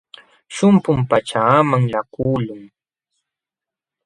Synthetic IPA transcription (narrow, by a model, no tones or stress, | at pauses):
ʃʊmpʊmpat͡ʃaːmaŋʎakuːlʊŋ